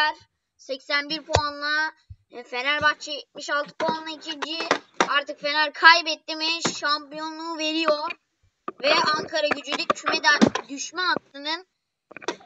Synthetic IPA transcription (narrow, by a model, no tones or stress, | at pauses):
æɾ | sɛcsænbiɾpʰoanlˠa | fe̞næɾbakt͡ʃʰɯt̪miʃalˠt̪ʰɯ̥poanlˠaicʰind͡ʒiaɾt̪ɯkfe̞næɾkʰajbɛt̪ːimiʃampijo̞nlˠuːve̞ɾijo̞ɾ | vɛaŋkʰaɾaɟyd͡ʒelʲic̚t͡ʃʰymed̪ænd̪yʃmɛak̪lɯnɯn